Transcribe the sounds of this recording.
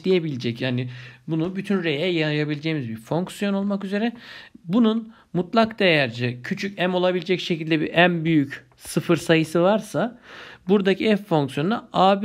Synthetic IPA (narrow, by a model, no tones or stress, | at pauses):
d̪ijebilʲed͡ʒɛcjaːnɪbunubyt̪ʰynɾe̞jɛjajabilʲd͡ʒeːimizbiɾfo̞ŋksijo̞no̞lˠmakyze̞ɾɛbunun | mut̪lˠakd̪̥ejæɾd͡ʒɛcʰyt͡ʃʰycæmo̞lˠabilʲed͡ʒɛcʃecʰilʲd̪ɛbiʔænbyjyc | sɯfɯɾsajɯsɯvaɾsabuɾd̪acʰiɛfːo̞ŋksijond̪aaːb